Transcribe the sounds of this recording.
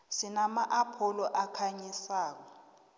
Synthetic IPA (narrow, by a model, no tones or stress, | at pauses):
sinamaʔapʰɔlɔʔakʰaɲisaːk̬ɔ